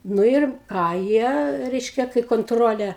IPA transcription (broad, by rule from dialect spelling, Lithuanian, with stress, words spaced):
nʊ ɪr ˈkɑː ˈjiɛ ˈrʲɛɪʃʲkʲɛ kɐɪ koːnˈtroːlʲeː